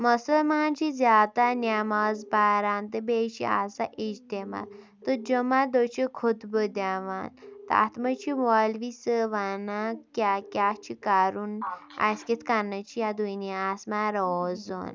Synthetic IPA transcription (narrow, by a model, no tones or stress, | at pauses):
məsəlmaːnt͡ʃizʲaːt̪anʲaːmazbaɾaːnt̪ɨbet͡ʃḭa̰saʔid͡ʒt̪ema̰ɾ | t̪əd͡ʒəmad̪ot͡ʃekʰud̪bəd̪aʋa̰ːnt̪a̰ːt̪mɐt͡ʃʰiʋalʋisəʋanakʲakʲjat͡ʃʰikaɾuna̰sket̪ʰkanːɐt͡ʃʰijad̪uniaːsmaɾɔzo̰ːn